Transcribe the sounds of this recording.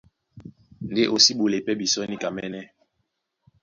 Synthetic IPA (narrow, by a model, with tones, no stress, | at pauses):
nde˦ʔo˨si˦ɓo˨le˨pɛ˦bi˨sɔ˦ni˦ka˨mɛ˦nɛ˦